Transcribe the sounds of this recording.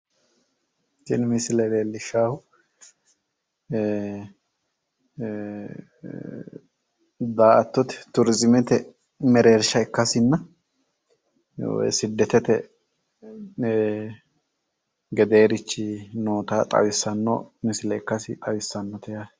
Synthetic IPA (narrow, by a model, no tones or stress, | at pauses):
sɪnmɪsɪlɛleːlːɪʃːaːhʊ | d̪aːɐt̪ːɔt̪ɛ̥t̪ʊɾɪzɪmɛt̪ɛ | mɛɾeːɾʃɐɛkːɐsɪnːɐ | w̰sɪd̪ːɛt̪ɛt̪ɛ | ɡɛd̪e̞ːɾɪt͡ʃːɪnoːt̪at̪ʼɐ̰wɪsːɐnːɔ̰mɪsɪlɛɛkːɐsɪt̪ʼɐwɪsːɐnːɔt̪ɛja